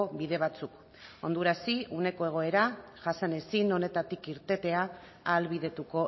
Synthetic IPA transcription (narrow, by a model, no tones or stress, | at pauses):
oβiðe̞β̞at͡suk | o̞nd̪uɾasiune̞ko̞e̞ɣ̞o̞e̞ɾa | ʝasane̞sino̞ne̞t̪at̪ikiɾt̪e̞t̪e̞aː | lβiðe̞t̪uko̞